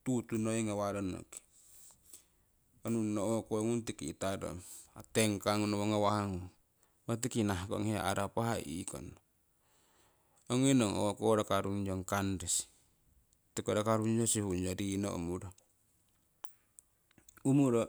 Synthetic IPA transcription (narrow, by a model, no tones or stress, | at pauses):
tut̪unoeŋawaɾono̰ki̥ | onunookoŋuntikitado̰ateŋkaŋunoβoŋawaaŋuŋ | mat̬ikinaɦko̰ŋea̰ʔaɾapaɦaʔḭko̰no | oŋinoŋo̰koɾakaɾuŋd͡ʒoŋkandesi̥ | tikoɾakaɾund͡ʒosihund͡ʒoɾino̰ṵmuɾo | umuɾo